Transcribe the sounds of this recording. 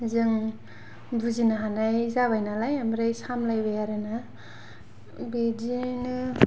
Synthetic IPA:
zɯŋ | duzinaɦanajzaβajnalajamɾajsamlajbajaɾɯna | bezinɯ

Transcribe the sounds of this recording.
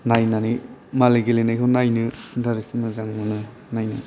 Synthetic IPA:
najnanimaleɡelenajkʰɯwnajnɯdaɾisimazaŋmɯnɯ | najna

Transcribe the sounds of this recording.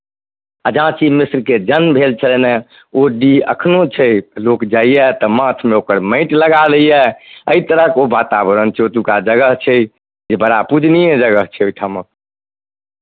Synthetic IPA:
əd͡ʒãt͡ʃʰimisɾked͡ʒənbʱelt͡ʃʰəlenɛ | oɖiə̰kʰnot͡ʃʰɛlokd͡ʒaijɛt̪əmãt̪ʰmeokəɾmə̃ɪ̃ʈləɡaləijɛəit̪əɾəɦkobat̪abəɾənt͡ʃʰot̪ũkad͡ʒəɡəɦt͡ʃʰɛ | d͡ʒebəɾapud͡ʒnijẽd͡ʒəɡəɦt͡ʃʰɛoʈʰamək̚

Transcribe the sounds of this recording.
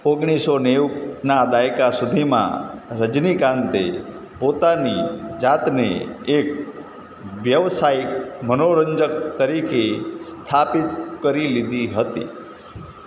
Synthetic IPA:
oɡɳ̃isonewnad̪ajkasud̪ʱimã̰ɾəd͡ʒnikãnt̪ḛ | pot̪anid͡ʒat̪nḛːk̚ | ʋjəʋsaikmənoɾəɲd͡ʒəkt̪əɾikʰest̪ʰapit̪kəɾilid̪ʱiɦət̪ḭ

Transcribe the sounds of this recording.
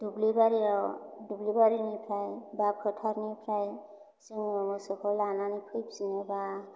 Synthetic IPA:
d̥ublibaɾiadublibaɾinipʰɾajbakʰɔtʰaɾnipʰɾaj | siŋɔɔsɔkʰɔlananikʰɯjpsineba

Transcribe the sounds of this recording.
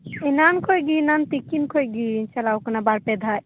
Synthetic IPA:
inankʰojɡinant̪ikinkʰojɡit͡ʃəlawkunabaɾped̪ʱaj

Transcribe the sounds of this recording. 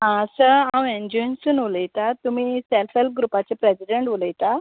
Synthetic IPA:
ɦãsəãwẽɲd͡ʑunsunʋoləjt̪at̪um̤iːsɛlfelp̚ɡɾupat͡ɕepɾɛsiɖeɳʈʋoləjt̪a

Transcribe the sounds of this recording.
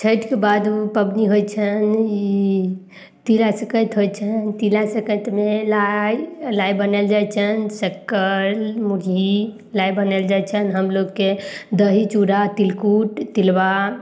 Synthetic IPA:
t͡ʃʰəjʈ̪kebad̪opəbniɦojt͡ʃʰəni | t̪ilasəkə̃t̪ɦojt͡ʃʰənt̪ilasəkə̃t̪melajlajbənəld͡ʒajt͡ʃʰənsəkːəlmuɡʱi | lajbənəld͡ʒajt͡ʃʰənɦəmloɡked̪əɦit͡ʃuɾat̪ilkuʈt̪ilba

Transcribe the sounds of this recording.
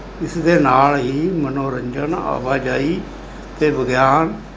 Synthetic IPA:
ɪsd̪eːnaːlɦiːmənoːɾəɲd͡ʒəna̰ːʋaːd͡ʒaːiː | t̪eːbəɡjaːn

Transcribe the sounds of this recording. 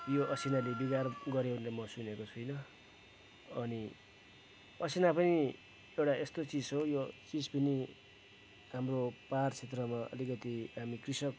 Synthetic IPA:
joʔʌsinalebiɡarɡʌɾeunʌmʌsunekot͡sʰujnʌ | ʌni | ʌsinapʌni | ewʈaest̪ot͡sid͡zɦojot͡sid͡zpʌni | ɦamropart͡sʰet̪rʌmaʌ̰likʌt̪iɦamikrisʌk

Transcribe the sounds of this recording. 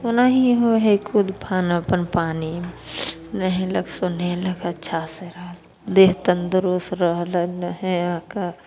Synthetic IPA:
onaɦiɦoɦekʰʊd̪pʰaːnapənpaːni | nəɦĩləksoneləkətːʃʰaseɾəɦ̪ | d̪eɦt̪ənd̪ʊɾʊsɾəɦlenəɦẽaka

